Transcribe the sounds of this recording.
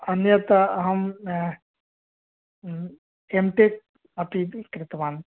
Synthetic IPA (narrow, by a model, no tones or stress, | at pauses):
ɐnjɐt̪ɐɐɦɐm | emʈek̚ | ɐpikɾɪt̪ɐʋaːn